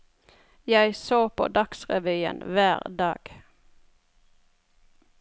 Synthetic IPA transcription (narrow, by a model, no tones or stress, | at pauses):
jæɪsoːpʰo̰ːd̪ɑksʁɛʋyːə̰nʋæːʁd̪ɑ̰ːɡ̥